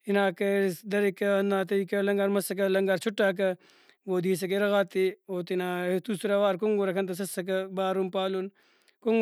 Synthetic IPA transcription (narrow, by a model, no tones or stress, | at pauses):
inaːkɐd̪ɐɾikɐɐnd̪aːt̪ɐikɐlɐŋɡaːɾmɐsɐk̬ɐlɐŋɡaːɾt͡ʃʰʊʈːaːk̬ɐ | ʋoːd̪iːs̬ɐk̬eɾɐɣaːt̪ioːt̪inaːt̪usɾaʋaːɾkoŋɡoɾɐkʰɐnt̪̬ɐs̬ɐsɐk̬ɐbaːɾumpaːlun | koŋ